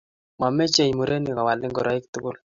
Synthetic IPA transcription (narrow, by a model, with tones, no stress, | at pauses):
ma˨mɛ˦t͡ʃe˨ɲmu˨ɾʔe˦ni˨ka˨wa˨lɪ˦ŋɡɔ˨ɾɔ˨˦ɪ˦ktʊ˦ɡʊ˦l